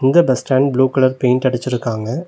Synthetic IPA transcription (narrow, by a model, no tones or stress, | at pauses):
ɪnd̪ɐbɐsʈaːnɖbluːkɐɭɐɾpeːnʈ̪ɐɽɪt͡ʃːɪɾɯkːaːŋɡɐ